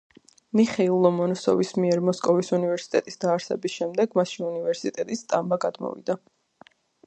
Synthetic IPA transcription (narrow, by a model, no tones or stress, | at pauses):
miχɛilˠɔmɔnɔsɔ̰vismiɛɾmɔskʼɔvisunivɛɾsi̥t̪ʼɛt̪ʼisd̪̥aːɾsɛ̰bisʃɛmd̪ɛɡmaʃinunivɛɾsit̪ʼɛt̪ʼist̪ʼambaɡad̪mɔ̰vḭd̪a